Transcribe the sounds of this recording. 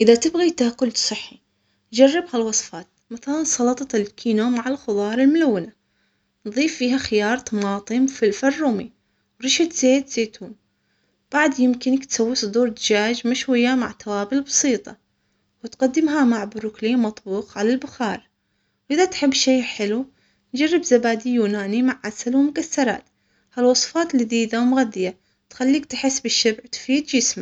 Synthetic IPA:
ʔɪðat̪ɪbɣit̪ahqʊlsˤɨħːi | d͡ʒarːɪbhalwɑsˤfɑːt̪̚maθalansˤɑlɑt̪ˤɑɪlkʰiːnomaʕɪlxʊðˤɑːɾˤɪlmʊlawːɪna | nðˤiːfːiːɦaxɪjɑːɾˤt̪ɑmɑːt̪ˤɨmfilfɑrˤːʊmi | wɾˤɪʃɪt̪z̥eːd̪z̥eːt̪uːn | b̥aʕd̪jɪmkɪnkt̪sawːisˤʊd̪uːɾd̪ɪd͡ʒaːd͡ʒmaʃwɪjːama̰ʕt̪awaːbɪlbɑsˤiːt̪ˤɑ̰ | wɪt̪qad̪ːɪmɦamaʕbʊɾʊkliːmɑt̪ˤbuːqʕalalbʊxɑːɾˤ | wʔɪðat̪ħɪbːʃeːħɪlu | nd͡ʒarˤːɪbzabaːd̪ijuːnaːnimaʕːasalwmʊkaθːɑɾˤɑ̰ːt̪ | halwɑsˤfɑːt̪liðiːd̪awmʊɣad̪ɪja | t̪xalːiːk̚t̪ħɪsːbɪʃːɪbʕt̪fiːd̪jɪsmaʕ

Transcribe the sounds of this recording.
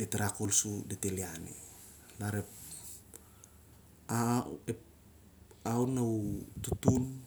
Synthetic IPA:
deteɾakolsudetelianḛ | laɾep | aep | awnawtutun

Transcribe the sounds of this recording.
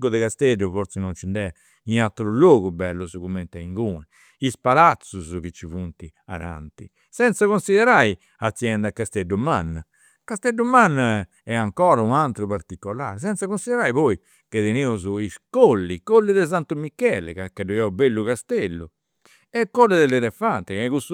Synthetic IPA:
ɡuðɛkast̪edːufoɾt̪sɛnɔnt͡ʃind̪ɛa | inat̪ɾuloːɣubɛlːuzukumɛnt̪aiŋɡuːnɛ | ispalat̪sːuzuk̟it͡ʃːivunt̪i | a̰na̰nt̪i | sɛnt̪sakonsiðɛɾaj | at̪sːjɛnd̪akːast̪eɖumanː | kast̪ɛɖːumanː | ɛaŋkɔːɾaunant̪ɾupaɾt̪ikːɔla̰ːɾɛs̬ɛnt̪sakonsiðɛɾaːjβɔi | keðeneːuzuiskolːikolːiðɛz̬ant̪umikːɛlɛ̰kakːɛɖujɛubelːukast̪ɛlːu | ɛkːɔlːɛðɛlɛlɛfant̪ɛkakus

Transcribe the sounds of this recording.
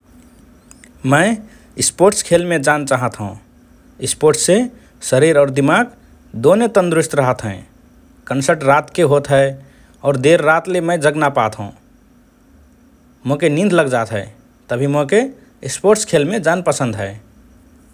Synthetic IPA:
mə̃ɪ | ispoɾʈskʰelmed͡ʒant͡ʃaɦət̪ɦṵ̃ | ispoɾʈsːe | səɾiɾɔːɾd̪imaɡ | d̪onet̪ə̃nd̪ɾʊst̪ɾəɦət̪ɦɛ̰̃ | kənsəɾʈɾat̪keɦot̪ɦɛɪ | ɔːɾd̪eɾːat̪lemə̃d͡ʒəɡnapat̪ɦṵ̃ | mokenĩnd̪ʱləɡd͡ʒat̪ɦɛe | t̪əbʱimokeː | spoɾʈskʰelmed͡ʒanpəsə̃nd̪ʱɦɛɪ

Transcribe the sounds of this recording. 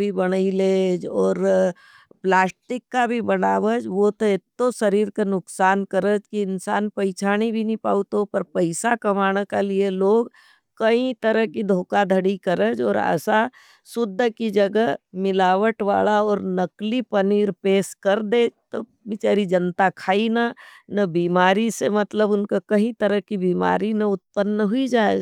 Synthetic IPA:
bʱibɐɽ̃əileːd͡ʒɔːɾ | plaːsʈɪkːabʱibɐnaːʋəd͡ʒʋot̪oet̪ːoʃəɾiːɾkenʊksaːnkəɾəd͡ʒkiɪnsaːnpəɪt͡ʃʰaːñibʱinĩpa̰ːʊt̪opɐɾpəɪsakɐmaːɽ̃kalieloːɡ | kɐĩt̪əɾəɦkid̪ʱoːkad̪ʱəɽikəɾəd͡ʒɔ̰ːɾə̰sa | sʊd̪ʱːkid͡ʒəɡəmɪlaːʋəʈʋa̰ːlaɔːɾnɐklipɐniːɾpeːskɐɾd̪et̪o | bɪt͡ʃaːɾid͡ʒənt̪akʰaːinanɐbiːmaːɾisemɐt̪ləbʊnkakɐɦĩt̪əɾəkibiːma̰ːɾinɐʊt̪pənːəɦʊid͡ʒaːed͡ʒ

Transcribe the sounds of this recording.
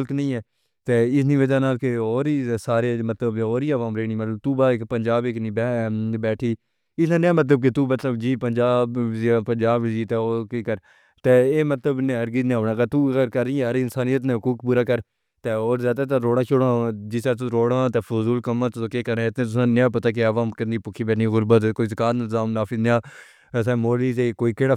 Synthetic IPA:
lknəĩːɛː | t̪eːɪsniːʋəd͡ʒaːnaːlkeoːɾiːsaːɾeːmət̪ləboːɾiːəʋaːmɾeːñiːmət̪ləb̚t̪uːbaːɪkpənd͡ʒaːbeknĩːbɛbɛːʈʰiː | ɪnãːnɪjaːmət̪̬ləb̚k̬et̪uːmət̪ləbd͡ʒiːpənd͡ʒaːbd͡ʒapənd͡ʒaːbd͡ʒiːt̪eːoːkeːkəɾ | t̪eːeːmət̪ləbnẽːɦəɾɡiːd̪nẽːɦoːɽãːkat̪uɡəɾkəɾiːɦəɾɪnsaːnijət̪nẽːɦʊkuːkpuːɾaːkəɾ | t̪eːoːɾzjaːd̪aːt̪̬ãːɾoːɽaːt͡ʃʰʊɽãːd͡ʒɪst̪aːt̪̬ʊɾoːɽãːt̪eːfʊzuːlkəmãt̪ʊsoːkeːkəɾẽɪt̪nẽːt̪̬ʊsãːnɪjãːp̬ət̪aːk̬eəʋãːkəniːpʊkʰiːbɛːnĩːɣʊɾbət̪koːizəkaːt̪nɪzaːmnaːfʰɪznjãː | s̬ɛ̃ːmoːliːzeːkoːiːkeːɽaː

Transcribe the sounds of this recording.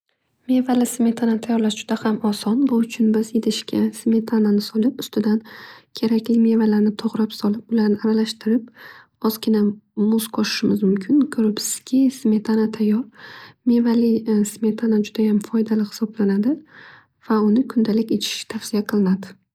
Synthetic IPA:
me̞valɪsme̞t̪ʰanat̪ʰajɒɾlaʃd͡ʒʊd̪̥ahamɒsɒnbʊʊt͡ʃʰʊnbɪzed̪ɪʃkʲasme̞t̪ʰananɪsɒlˠɪpʊst̪ɪd̪ankʲʰe̞ɾakʲlɪme̞valaɾnɪt̪ʰoʁɾapsɒlˠɪp̚ʊlaɾnɪaɾalaʃt̪ɪɾɪp̚ | ɒzkʲɪnamʊzqʰɒʃɪ̥ʃɪmɪzmʊmkʲʰɪnkʰɵɾɪpsɪ̥z̥kʲʰɪsme̞t̪ʰanat̪ʰajɒɾme̞valɪsme̞t̪ʰanad͡ʒʊd̪ajamfɒjd̪alɪhɪ̥sɒblanad̪ɪ | v̥aʊnɪkʰʊnd̪alɪkʲet͡ʃʰɪ̥ʃɪ̥t̪ʰafsɪijaqʰɨlˠɪnad̪ɪ

